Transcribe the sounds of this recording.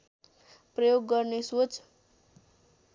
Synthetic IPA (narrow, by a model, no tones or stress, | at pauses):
prʌjoɡːʌrnesot͡s